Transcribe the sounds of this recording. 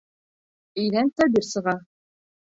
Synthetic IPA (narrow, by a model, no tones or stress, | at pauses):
ɘ̆jðænt̪æbʲiɾsɤ̆ʁɑ